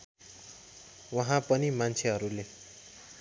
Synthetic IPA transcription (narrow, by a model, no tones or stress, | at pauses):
wʌɦãpʌnimant͡sʰeɦʌɾule